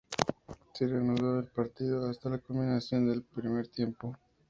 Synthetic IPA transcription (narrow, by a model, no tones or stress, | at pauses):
sereanuðo̞elpaɾt̪iðo̞ast̪alako̞mbinasjo̞nd̪e̞lpɾime̞ɾt̪je̞mpo